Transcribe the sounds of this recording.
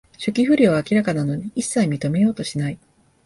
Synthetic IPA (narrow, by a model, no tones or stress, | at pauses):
ɕɨkʲiɸɯ̟ɾʲiakʲiɾakanano̞ɲ̟iʔisːaimʲit̪o̞me̞jo̞ːt̪o̞ɕinai